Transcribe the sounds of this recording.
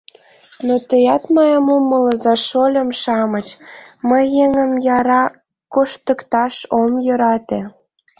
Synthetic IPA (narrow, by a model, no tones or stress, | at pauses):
not̪əjɑt̪mɑjɑmomələzɑʃolʲə̆mʃɑmət͡ɕməjːeŋəmjɑɾɑ | koʃt̪əkt̪ɑʃomjø̆ɾɑt̪ĕ